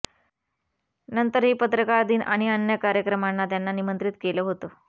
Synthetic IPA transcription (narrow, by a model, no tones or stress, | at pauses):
nənt̪əɾɦiːpət̪ɾəkaɾd̪iːnʔaɽ̃iənjəkaɾjəkɾəmanːat̪janːanimənt̪ɾit̪keləːɦot̪o